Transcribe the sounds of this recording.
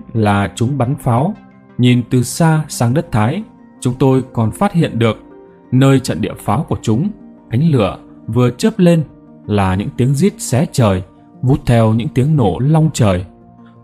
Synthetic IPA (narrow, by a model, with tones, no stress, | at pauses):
laː˨˩t͡ɕʊ˨˦ŋ͡mɓa˨˦nfaː˨˦w | ɲi˨˩nt̪ɨ˨˩saː˧saː˧ŋɗə˦˥t̚t̪ʰaː˨˦j | t͡ɕʊ˨˦ŋ͡mt̪o˧jkɔ˨˩nfaː˦˥t̚hḭ˧˨ənɗɨ˨˩ək̚ | nəː˧jt͡ɕə̰˧˨nɗḭ˧˨əfaː˨˦wku˧˩ət͡ɕʊ˨˦ŋ͡mʔa˨˦jŋ̟lɨ̰˧˨ə | vɨ˨˩ət͡ɕəː˦˥p̚le˧n | laː˨˩ɲɨ̰˧˥ŋt̪i˨˦əŋzi˦˥ət̚sɛ˨˦t͡ɕəː˨˩j | vu˦˥t̚t̪ʰɛ˧wɲɨ̰˧˥ŋt̪i˨˦əŋno˧˩lɔ˧wŋ͡mt͡ɕəː˨˩j